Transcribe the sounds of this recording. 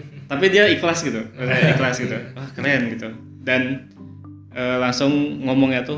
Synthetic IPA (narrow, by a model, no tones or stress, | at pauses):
t̪apidiaiklasɡit̪uiklasɡit̪uwahkəlaanɡit̪u | dan | ʔəːlaŋsʊŋŋɔmɔŋɲat̪ʊ